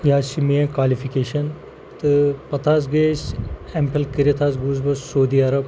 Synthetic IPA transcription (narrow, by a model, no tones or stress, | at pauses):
jaːsimiẽkwaːlifikeːʃɐn | t̪ɨpɐt̪ʰaːzɡeːsempʰelkiɾiɐt̪ʰaːsɡuːzbɐsoːd̪iːɐɾɐb